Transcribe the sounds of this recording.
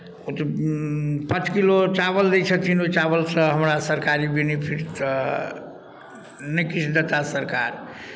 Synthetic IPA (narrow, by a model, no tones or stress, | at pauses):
ot̪ | pə̃t͡ʃkilot͡ʃabəld̪ɛt͡ʃʰət̪ʰinot͡ʃabəlsə̃ɦəmɾasəɾkaɾibenepʰiɾ | nəkit͡ʃʰd̪ət̪asəɾkaɾ